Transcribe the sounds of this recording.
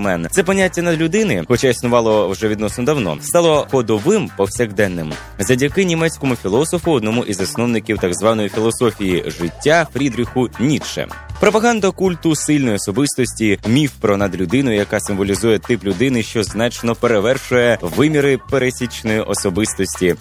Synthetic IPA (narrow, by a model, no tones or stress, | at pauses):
mɛnt̪sɛpɔnʲːatʲːɐnɐd̪lʲʊd̪ɪnɪxɔt͡ʃaisnʊʋɑlˠɔwʒɛʋʲid̪nɔsnɔd̪ɐwnɔ̰st̪ɑlˠɔhɔd̪ɔʋɪmpɔwsʲɐɣd̪ɛnːɪm | zɐdʲɐkɪnʲimɛt͡sʲkɔmʊfʲilˠɔsɔfʊɔd̪nɔmuʔizɐsnɔwnɪkʲiwt̪ɑɡzʋɑnɔjifʲilˠɔsɔfʲijiʒɪtʲːafɾʲid̪ɾʲɪxʊnʲiʃɛ̰pɾɔpɐɦɑnd̪ɐkulʲt̪ʊsɪlʲnɔjiɔsɔbɪst̪ɔsʲtʲimʲifpɾɔnɐd̪lʲʊd̪ɪnʊjɐkɑsɪmʋɔlʲizujɛt̪ɪplʲʊd̪ɪnɪʃt͡ʃɔznɑt͡ʃnɔpeɾeʋɛrʃʊjɛʋɪmʲiɾɪpeɾesʲit͡ʃnɔjiʔɔsɔbɪst̪ɔsʲtʲi